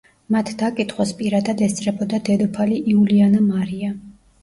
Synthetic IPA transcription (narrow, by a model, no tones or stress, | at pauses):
mat̪ʰd̪̥akʼit̪ʰʼχwaspʼiɾad̪ad̪ɛst̪sʼɾɛbɔd̪ad̪ɛd̪ɔpʰaliʔiulianamaɾia